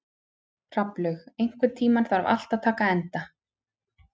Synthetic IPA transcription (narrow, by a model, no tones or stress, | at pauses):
r̥aplʏɣejŋ̥kvʏ̥t̪ʰiːmaɾ̥θaɾva̰l̥t̪aðt̪ʰaːkaɛnt̪a